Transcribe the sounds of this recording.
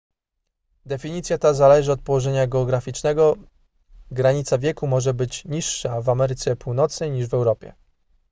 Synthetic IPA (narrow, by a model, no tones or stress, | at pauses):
d̪ɛfʲiɲit̪sʲjat̪azalɛʐɘɔt̪̚pɔwɔʐɛɲaɡɛɔɡɾafʲit͡ʂnɛɡɔ | ɡɾaɲit̪savʲjɛkumɔʐɛbɘt͡ɕɲiʂːavamɛɾɘt̪sɛpuwnɔt̪snɛjɲiʐvɛwɾɔpʲjɛ̰